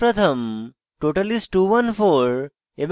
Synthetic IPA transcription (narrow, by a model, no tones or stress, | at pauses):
ɾɐt̪ʰɐm | ʈoːʈɐlisʈʈuːʋɐnfʰoːɾ | eb